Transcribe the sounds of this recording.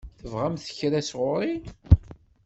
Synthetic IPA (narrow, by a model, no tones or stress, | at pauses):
θəvʁæmθə̥çɾæsʁʊɾi